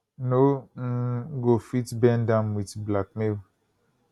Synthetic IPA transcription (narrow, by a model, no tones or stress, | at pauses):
noŋ̩ɡofitbɛndãmwitblak̚mel